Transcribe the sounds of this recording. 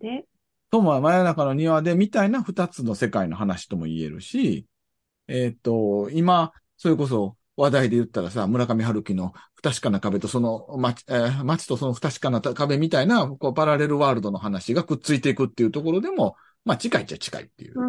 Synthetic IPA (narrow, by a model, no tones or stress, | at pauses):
somomajanakano̞ɲ̟iβad̪e̞mʲit̪ainaɸɯ̟t̪at͡sɨno̞se̞kaino̞̰ɦanaɕi̥t̪o̞mo̞̰ḭe̞̰ɾɯ̟̰ɕi | et̪ːo̞ima | so̞ɾe̞ko̞s̬o̞ | βad̪aid̪e̞jɯ̟t̪ːaɾasamɯ̟ɾakamʲiɦaɾɯ̟kʲino̞ɸɯ̥t̪aɕi̥kanakabe̞t̪o̞so̞no̞mat͡ɕmat͡ɕi̥t̪o̞so̞noɸɯ̥t̪aɕi̥kanat̪akabe̞mʲit̪ainako̞ːbaɾaɾe̞ɾɯβaːɾɯ̟d̪o̞no̞ɦanaɕiɡakɯ̟t͡sɨit̪e̞ikɯ̟t̪ːe̞iɯ̟t̪o̞ko̞ɾo̞d̪e̞mo̞ | mat͡ɕikait͡ɕat͡ɕi̥ka̰ḭt̪ːe̞̰jɯ̰